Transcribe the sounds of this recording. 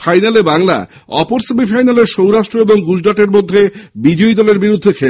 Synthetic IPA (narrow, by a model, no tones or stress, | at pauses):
fajnalebaŋla̰ | ɔpoɾsimifajnaleɾʃowɾaʃʈɾoeboŋɡud͡ʑɖaʈeɾmod̪ʱːebid͡ʑoid̪ɔleɾbiɾud̪ʱːekʰe